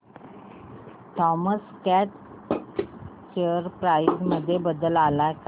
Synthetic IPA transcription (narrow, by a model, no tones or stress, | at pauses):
tʰɔməskæʈ | t͡ɕeɾpɾajsməd̪ʱːjebəd̪əlalajk